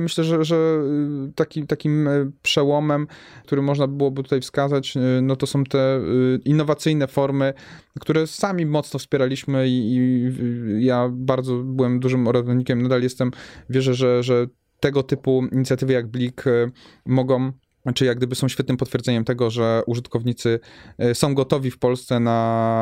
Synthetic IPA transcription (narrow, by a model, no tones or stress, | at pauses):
mɘɕlɛʐɛʐɛ | t̪akʲit̪akʲimpʂɛwɔmɛmt̪uɾɘmɔʐnabɘwɔbɘt̪ut̪ajfskazat͡ɕnɔt̪ɔsɔ̃w̃t̪ɛinːɔvat̪sɘjnɛfɔɾmɘ | kt̪uɾɛsamʲimɔt̪snɔfspʲjɛɾalʲiɕmɘiː | jabaɾd̪zɔbɘwɛmd̪uʐɘmɔɾad̪ɔɲikʲɛmnad̪aljɛst̪ɛmvʲjɛʐɛʐɛʐɛ | t̪ɛɡɔt̪ɘpuiɲit̪sʲjat̪ɘvɘjaɡ̚blʲik | mɔɡɔ̃w̃ | t͡ʂɘijaɡd̪ɘbɘsɔ̃w̃ɕfʲɛt̪nɘmpɔt̪fʲjɛɾzɛɲɛmt̪ɛɡɔʐɛʔuʐɘt̪kɔvɲit̪sɘsɔ̃w̃ɡɔt̪ɔvʲifpɔlst̪sɛna